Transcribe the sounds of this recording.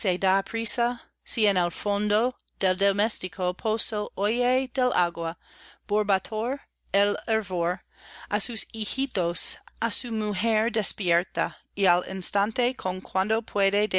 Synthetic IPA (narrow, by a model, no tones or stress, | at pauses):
sed̪apʰɾisa | sienelfond̪od̪̥eld̪omest̪ikʰopʰosoojed̪ela̰ɡwab̥oɾbat̪ʰoɾ | eleɾvoɾ | asusihit̪osasumuɦeɾd̪espjeɾt̪a | ialḭnst̪ant̪ekʰoŋkʰwand̪opʰweded̪